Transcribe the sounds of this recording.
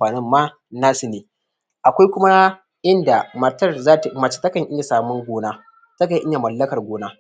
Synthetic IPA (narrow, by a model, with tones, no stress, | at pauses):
aː˨nɪ˦mːaː˦ | naː˦sɪ˨neː˨ | ʔa˨kʷa˦jkʷʊ˦ma˦ | ʔɪ˦nda˨mɐ˨tɐ˦˨rzaː˦tmɐ˨t͡ʃi̥˦tɐ˦kɐ˨ɲʔɪ˦ɲa˨saː˨mʊ˦ŋɡʷoː˨naː˦ | tɐ˦k̬a˨ʔɪ˦ɲa˨mɐ˨lːɐ˦kɐ˨rɡʷoː˨naː˦